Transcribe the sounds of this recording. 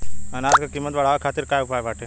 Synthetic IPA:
ənaːt̪kakimːət̪ʋəɽ̤aːʋekʰaːt̪ɪɾkaːjʊpaːebaːʈʰe

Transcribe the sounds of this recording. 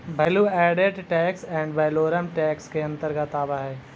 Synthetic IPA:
bʱɐluɛːɖeɖʈɛːksɛ̃ːɳɖʋɛɪloːɾəmʈɛːkskeɐ̃nt̪əɾkat̪aːbaɦɛː

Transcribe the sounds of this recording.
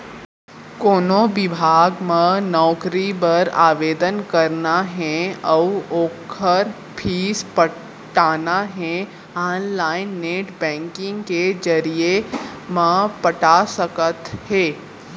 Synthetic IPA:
koːnoʋɪbʱaːɡmãnɔːkɾibəɾa̰ːʋeːd̪ənkəɾnaɦɛ̃əwoːkʰəɾ | pʰiːspə | ʈaːnaɦɛ̃ | aːnlaːɪnːeːʈbɛ̃ːŋkɪ̃ŋɡked͡ʒəɾije | mãpəʈasəkət̪hɛː

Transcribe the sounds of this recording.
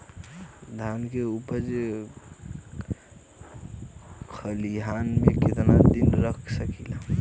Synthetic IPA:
d̪ʱankeupəɾd͡ʒ | kʰəliɦanmẽkɪt̪nad̪inɾəkʰsəkila

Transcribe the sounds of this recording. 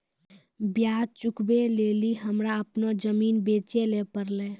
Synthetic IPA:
bjaːd̪̚t͡ʃukbeleliɦəmɾaəpnod͡ʒəmiːnbet͡ʃelepəɾle

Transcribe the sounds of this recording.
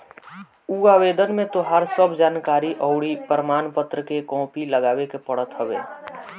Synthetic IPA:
uaːʋeːd̪ənmẽt̪oɦaːɾsəbd͡ʒaːnkaːɾiʔəʊɽipəɾəmaːnpət̪ɾəkekɔ̃ːpiləɡaːwekepəɽət̪ɦəʋeː

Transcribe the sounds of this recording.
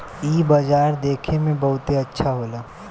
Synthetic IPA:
iːbad͡ʒaːɾd̪eːkʰemẽbɐɦʊt̪eɐtːʃʰaɦoːlaː

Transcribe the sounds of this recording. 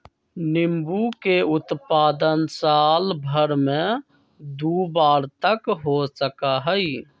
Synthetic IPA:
nɪmbukeʊt̪paːd̪ənsaːlbʱəɾmẽ | d̪uːbaːɾt̪əkɦosəkaɦəi

